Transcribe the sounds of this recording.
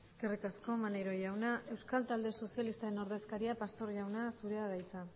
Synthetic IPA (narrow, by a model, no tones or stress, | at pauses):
e̞ske̞rikasko̞maneɾo̞ʝawnaʔe̞wskalt̪ald̪e̞so̞sjalist̪aeno̞ɾð̞e̞skaɾiapast̪o̞ɾʝawnasuɾeaðajt͡sa